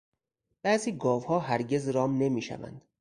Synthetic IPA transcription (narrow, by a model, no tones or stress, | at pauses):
b̥æziːɡɒːvhɒːɦæɾɟe̞zɾɒːmne̞miːʃæ̰væ̰nd̪̥